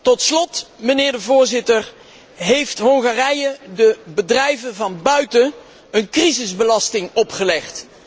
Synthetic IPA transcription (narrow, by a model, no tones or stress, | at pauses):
tɔtslɔtmənɪːɹdəvʊːɹzɪtər | ɦejftɦɔŋχaːrɛjədəbədrɛjvənvɑnbœɥtən | ənkrizɪzbəlɑstɪŋɔpχəlɛχt